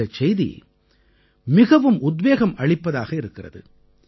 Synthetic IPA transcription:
ɐt͡ʃɛjðḭ | mɪɣɐʋɯmʊd̪ʋeːɣɐmɐɭɪpːɐðaːɣɐɪɾɯkːɪrɐ̰ðɯ̰

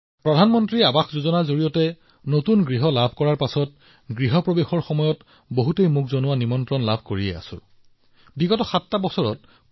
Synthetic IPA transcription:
pɹɔdʱanmɔntɹiabaxzozɔnazoɹijɔtɛ | notunɡɹiɦɔlabʱkɔɹaɹpasɔt̚ | ɡɹiɦɔpɹɔbexɔɹxɔmɔjɔt | boɦutejmuk̚zɔnʊwanimɔntɹɔnlabʱkoɹiɛ̰a̰sʊ̰ɹ | biɡɔtɔxatːabɔsɔɹɔt̚

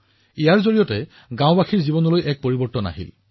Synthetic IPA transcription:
ijaɹzoɹijɔtɛ | ɡãw̃baxiɹzibɔnɔlojʔɛk̚poɹibɔɹtɔna̰ɦḭl

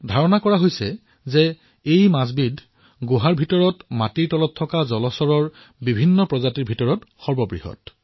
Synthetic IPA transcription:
dʱaɹɔnakɔɹaɦojsɛ | zɛ | ejmazbidʱ | ɡoɦaɹbʱitɔɹɔtmatiɹtɔlɔtʰːɔkazɔlɔsɔɹɔɹ | bibʱinːɔpɹɔzatiɹbʱitɔɹɔtxɔɹbɔbɹḭɦɔ̰t

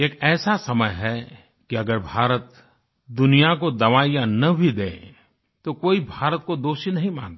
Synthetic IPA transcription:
eːkɛːsasɐməjɦɛ | kiɐɡəɾbʱaːɾət̪ | d̪ʊnijakod̪ɐʋaːijanɐbʱid̪ẽː | t̪okoːibʱaːɾət̪̚kod̪oːʃinɐɦĩmãːnt̪aː

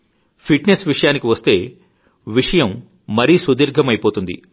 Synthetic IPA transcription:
pʰiʈnesʋiʂɐjaːnikiʋɐst̪e̞ː | ʋiʂɐjɐmː | ɐɾiːsud̪iːɾɡʱɐmɐjpo̞ːt̪und̪ḭ

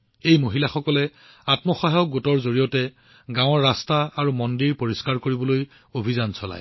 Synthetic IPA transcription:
ejmoɦilaxɔkɔlɛ | atmɔxaɦɔk̚ɡotɔɹzoɹijɔtɛ | ɡãw̃ɔɹːastaaɹumɔndiɹpoɹiskaɹkoɹibɔloj | obʱizansɔla̰j

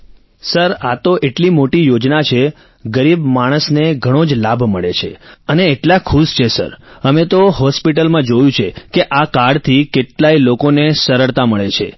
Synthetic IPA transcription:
səɾat̪oʔeʈlimoʈijod͡ʒnat͡ʃʰe | ɡəɾibmaɽ̃əsneɡʱəɽ̃od͡ʒlabʱməɭet͡ʃʰeəneːʈlakʰuʃt͡ʃʰesə̰ɾəmet̪oɦɔspiʈəlmãd͡ʒojũt͡ʃʰekeʔakaɽt̪ʰikeʈlailokonesəɾəɭt̪aməɭet͡ʃʰḛ

